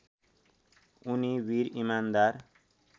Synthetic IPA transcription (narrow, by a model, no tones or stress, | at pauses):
uniwiɾimand̪aɾ